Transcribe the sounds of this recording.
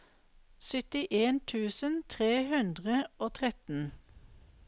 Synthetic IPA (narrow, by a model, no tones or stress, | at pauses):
sʏt̪ɪʔeːnt̪ʰʉːsənt̪ʰʁeːhʉnd̪ʁəoːt̪ʰʁɛt̪n̩